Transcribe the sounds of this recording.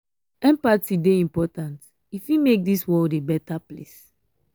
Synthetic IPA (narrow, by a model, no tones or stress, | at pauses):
ɛ̃mpatideĩmpɔtãnt | ifimek̚diswɔldebɛtaplḛs